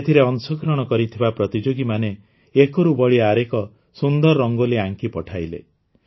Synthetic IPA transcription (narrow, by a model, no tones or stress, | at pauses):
et̪ʰiɾeɔnsɔkɾɔɽ̃ɔkɔɾit̪ʰibapɾɔt̪id͡ʒoɡimane | ekɔɾubɔɭiaɾekɔ | sund̪ɔɾːɔŋɡoliaŋkipɔʈʰajlḛ